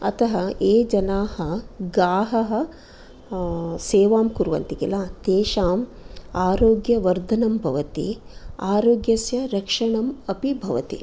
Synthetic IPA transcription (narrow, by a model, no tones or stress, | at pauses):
ɐ̰t̪ʰɐɦɐeːd͡ʒɐnaːhɐɡaːɦɐɦɐ̆ | seːʋaːmkuɾuʋɐ̰nt̪ikilaːt̪eːʃaːm | aːɾoːɡjɐʋɐɾd̪ʱɐnɐmbʱɐʋɐt̪ḭaːɾoːɡjɐsjɐɾɐkʂɐɳɐmɐpibʱɐʋɐt̪ḭ